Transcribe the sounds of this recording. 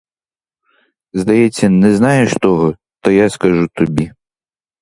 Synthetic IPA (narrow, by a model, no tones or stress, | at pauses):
zd̪ɐjɛt͡sʲːɐnɛznɑjeʃt̪ɔɦɔ | t̪ɐjaskɐʒut̪ɔbʲi